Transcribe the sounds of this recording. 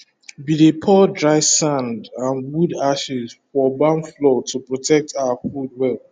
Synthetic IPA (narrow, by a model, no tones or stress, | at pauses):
bilepʰɔdɹaɪsãndãnwudaʃizfɔbãnflɔtʰupɹɔtʰɛk̚tʰawafud̚wɛl